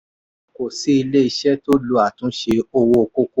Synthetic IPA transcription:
ko˨si˨˦i˧le˦i˧ʃɛ˦to˦lu˨˦a˦˨tũ˨˦ʃe˧o˦˧wo˧ko˦ko˦

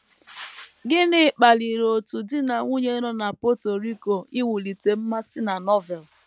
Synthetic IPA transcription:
ɡɪ˦nɪ˦˨k͡pa˨li˨ɾo˨tu˨dɪ˦na˨ŋʷu˦ɲe˦ɾɔ˦na˨po˦to˨ɾi˦ko˨ɪ˦wu˨li˨te˨m̩˦ma˦sɪ˦na˨nɔ˦vɛ˨l

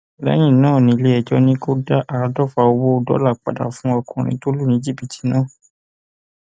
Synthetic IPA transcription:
lɛ̰˦j̃ĩ˦˨nãː˦˨nĩ˧le˦ɛ˧d͡ʒɔ˧˦nĩ˦ko˦da˦ʔa˨a˧dɔ˦˨fa˧o˧wo˦˧˨dɔ̰˨˦la˦˨k͡pa̰˨da̰˨fũ˦ɔ˧kʰɔ̃˨ɾ̃ḭ̃˧to˦lu˦˨nĩ˧˦d͡ʒi˦˨pi˨ti̥˨˦nãː˦˨

